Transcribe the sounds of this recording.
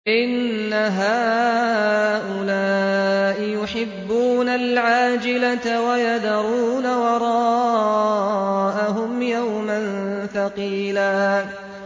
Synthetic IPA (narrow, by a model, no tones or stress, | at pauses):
ʔɪnːaɦaː | ʔʊlaːʔɪjʊħɪbːuːnalʕaːd͡ʒɪlat̪awajad̪ɑɾˤuːnawɑɾˤɑː | ʔaɦʊmjawmanfɑqiːlaː